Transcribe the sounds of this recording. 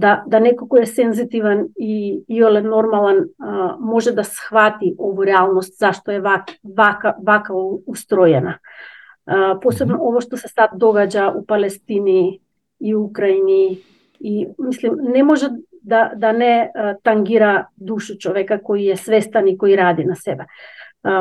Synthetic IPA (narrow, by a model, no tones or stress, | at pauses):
d̪ad̪anɛkokɔɛsɛnzit̪ivaniiolɛnɔɾmalˠɛnmɔʒɛd̪asxvat̪iʔovɔɾɛalˠnɔst̪zaʃt̪ɔɛvavakavakauust̪ɾɔjɛna | psɛbnɔovaʃt̪osɛ̥sad̪d̪ɔɡad͡ʑaʔupalɛst̪iniː | uukɾainiː | mislimnɛmoʒɛ | d̪ad̪anɛt̪aŋɡiɾad̪uʃut͡ʃoʋɛkakoijɛsvɛst̪anikoiɾad̪inasɛbɛ